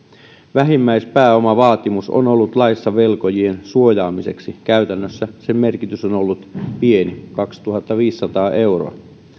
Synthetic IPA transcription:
ʋæɦimːæjspæːo̞mɑʋɑːt̪imuso̰no̞lːut̪lɑjsːɑʋe̞lko̞jie̞nsuo̞jɑːmise̞ksikæyt̪ænːøsːæsemme̞rkit̪yso̞nolːut̪pie̞nikɑkst̪uɦɑt̪ːɑʋiːsːɑt̪ɑːʔe̞wro̰ɑ̰

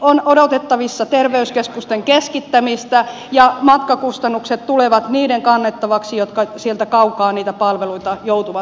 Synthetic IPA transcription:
onodot̪et̪ːɑʋisːɑt̪erʋeyskeskust̪eŋkeskit̪ːæmist̪æ | jɑmɑt̪kɑkust̪ɑnːukset̪t̪uleʋɑt̪niːdeŋkɑnːet̪ːɑʋɑksijot̪kɑsielt̪ækɑukɑːniːt̪æpɑlʋeluit̪ɑjout̪uʋɑ

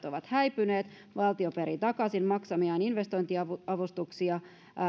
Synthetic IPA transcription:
t̪oʋɑt̪hæjpyneːt̪ | ʋɑlt̪io̞peɾit̪ɑkɑsinmɑksɑmiɑːninʋest̪o̞jnt̪iɑɑʋust̪uksiɑ

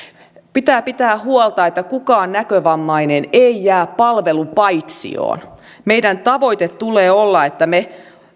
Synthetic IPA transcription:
pit̪æːpit̪æːhuolt̪ɑet̪ːækukɑːnnækøʋɑmːɑineneijæːppɑlʋelupɑjt̪sḭo̰ːn | meidænt̪ɑʋojt̪et̪t̪ːuleːolːɑet̪ːæme

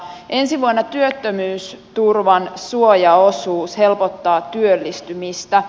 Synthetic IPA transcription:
e̞nsiʋuonːɑt̪yøt̪ːømyːst̪urʋɑnsuojɑo̞suːshe̞lpot̪ːɑːt̪yølːist̪ymist̪æ

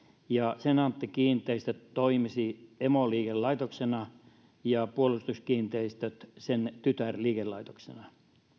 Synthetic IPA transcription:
jɑsenɑnt̪ːikiːnt̪ˑeist̪øt̪t̪oimisiemoliːkellɑit̪oksenɑ | jɑpuolust̪uskiːnt̪eist̪øt̪sent̪yt̪ærliːkellɑit̪o̥ksḛnɑ

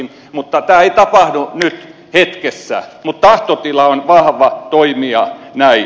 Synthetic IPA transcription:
n | mut̪ːɑt̪æːeit̪ɑpɑhdunyt̪ | het̪kesːæ̰mut̪t̪ɑht̪ot̪ilɑonʋɑhʋɑt̪oimiɑnæi

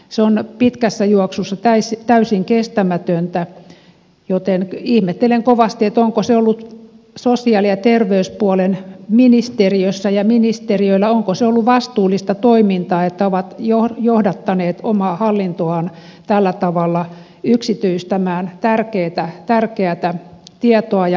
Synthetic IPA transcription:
seonpit̪kæsːæjuoksusːɑt̪æisit̪æysiŋkest̪æmæt̪ønt̪æ | jot̪enihmet̪ːeleŋkoʋɑst̪iet̪oŋkoseolːut̪ | sosiɑˑliɑt̪erʋeyspuɑlenminist̪eriøsːæjɑminist̪eriøilːæoŋkoseolːuʋɑst̪uːlːist̪ɑt̪oimint̪ɑːet̪ːæoʋɑt̪johjohdɑt̪ːɑneːt̪omɑːhɑlːint̪oɑnt̪ælːæt̪ɑʋɑlːɑ | yksit̪yist̪æmæːnt̪ærkeːt̪æt̪ærkeæt̪æt̪iɛt̪oɑjɑ

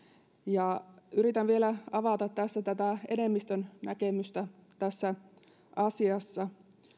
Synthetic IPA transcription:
jɑyɾit̪ænʋielæɑʋɑt̪ɑt̪t̪æsːæt̪æt̪æḛne̞mːist̪ønnæke̞myst̪æt̪æsːæ | ʔɑsiɑsːɑ

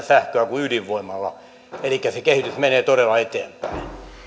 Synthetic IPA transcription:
sæhkøækuyliʋʋoimːˑɑlːɑ̰ | elikːæsekehit̪ysmeneːt̪oɾelːɑet̪eːmpæin

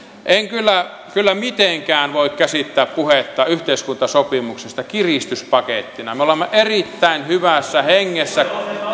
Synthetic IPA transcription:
ʔeŋkylːæ | kylːæmit̪eŋkæːnʋoˑikkæsit̪ːæːppuhet̪ːɑyht̪eˑiskunt̪ɑsopimuksest̪ɑkirist̪yspɑket̪ːinɑmeolemːeʔerit̪ːæˑinhyʋæsːæheŋːesːæ

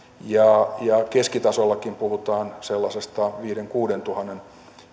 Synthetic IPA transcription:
jɑjɑkeskit̪ɑsolːɑkimpuhut̪ɑːnselːɑsest̪ɑʋiːɾeŋkuːdent̪uhɑnen

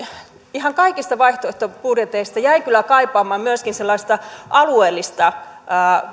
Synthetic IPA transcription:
ihɑŋkɑikist̪ɑʋɑiht̪oeht̪opurjet̪eist̪ɑjæikylːˑækɑipɑːmɑːmmyæskinselːɑˑist̪ɑʔɑlueːlːist̪ɑəː

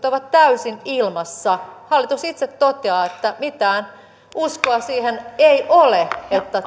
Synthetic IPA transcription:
t̪oʋɑt̪t̪æysinilmɑsːɑhɑlːit̪usit̪set̪t̪ot̪eɑːet̪ːæmit̪æːn | uskoɑsiːheneiʔoleet̪ːæ

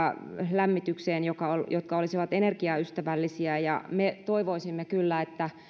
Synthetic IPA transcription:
læmːit̪ykseːnjokɑoljot̪̚kɑolisiʋɑt̪enerkiɑyst̪æʋælːisiæjɑ̰met̪oiʋoisimːekylːæet̪ːæ

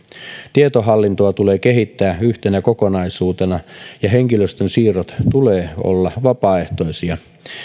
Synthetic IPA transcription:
t̪iet̪oɦɑlːint̪oɑt̪ule̞ːke̞ɦit̪ːæːyht̪enækokonɑisuːt̪enɑjɑɦeŋkiløst̪ønsiːrot̪t̪uleːo̰lːɑʋɑpɑːe̞ht̪o̞isiɑ

